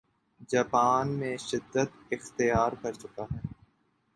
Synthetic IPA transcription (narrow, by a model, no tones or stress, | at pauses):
d͡ʒaːpaːnmẽʃɪd̪ːət̪ɪxt̪ijaːɾkɐɾt͡ʃʊkaɦɛː